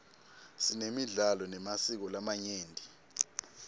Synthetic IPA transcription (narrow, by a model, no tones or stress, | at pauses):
sinemiɮalɔnɛmasik̬ɔlamaɲeːndʱi